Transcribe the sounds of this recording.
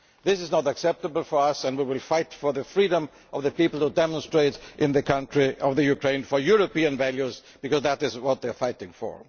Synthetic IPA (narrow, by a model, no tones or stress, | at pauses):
ðɪsɨznəɾəksɛp̚təbl̩ˠfɔ˞ʌsæ̃nwiwɪlfaɪtfɔ˞ðɨfɹiɾə̃m | ɔvðɨpipl̩ˠhudɛmə̃nstɹeɪɾʔɪ̃nðɨkʰʌ̃ntɹ̥iʌvðɨjukʰɹẽɪ̃nfɔ˞juɹopiɨ̃nvæljuz | b̥ɨkɔzðætɪzwʌt̪̚ðɛfaɪtɪ̃ŋfɔ̰ɹ